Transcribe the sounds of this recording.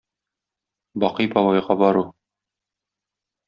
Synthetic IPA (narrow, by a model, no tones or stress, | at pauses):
bɒqɤjbɒwɑjʁɑbɒɾu